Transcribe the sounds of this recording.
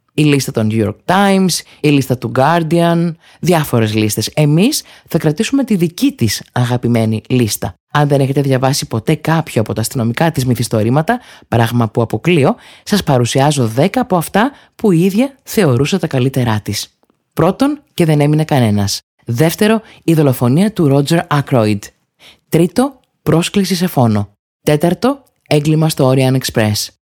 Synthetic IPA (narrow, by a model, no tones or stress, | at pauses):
ilist̪ɐt̪o̞njujo̰ɾk̚t̪ɐjms | ilist̪ɐt̪uɡɐɾd̪iɐn | ðjɐfo̞ɾe̞zlist̪e̞se̞misθɐkɾɐt̪isume̞t̪iðicit̪isɐɣɐpime̞nilist̪ɐ̰ | ɐnðene̞çe̞t̪e̞ðʝɐvɐsipo̞t̪e̞kɐpçoɐpo̞t̪ɐːst̪ino̞mikɐt̪izmiθist̪o̞ɾimɐt̪ɐpɾɐɣmɐpuɐpo̞klio̞sɐspɐɾusiɐzo̞ðe̞kɐːpo̞ɐft̪ɐ | puiiðʝɐθe̞o̞ɾusɐt̪ɐkɐlit̪e̞ɾɐt̪is | pɾo̞t̪o̞nce̞ðe̞ne̞mine̞kɐne̞nɐs | ðe̞ft̪e̞ɾo̞iðo̞lo̞fo̞niɐt̪uɾo̞d͡ze̞ɾɐkɾojd̪ | t̪ɾit̪o̞ | pɾo̞sklis̬ise̞fo̞no̞ | t̪e̞t̪ɐɾt̪o̞ | e̞ŋɡlimɐst̪o̞oɾiɐnekspɾe̞s